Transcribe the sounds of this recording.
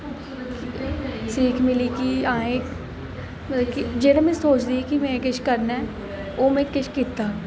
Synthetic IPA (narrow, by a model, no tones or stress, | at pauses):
siːkʰmɪlikiãːeːk | mkid͡ʒeːnamɛ̃soːt͡ʃd̪ikimɛ̃kɪt͡ʃʰkɐɾnaɛ | oːmɛ̃kɪt͡ʃʰkiːt̪aː